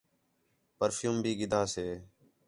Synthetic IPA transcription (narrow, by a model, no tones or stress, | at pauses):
pəɾfʰjuːmbʱiːɡɪd̪ʱaːseː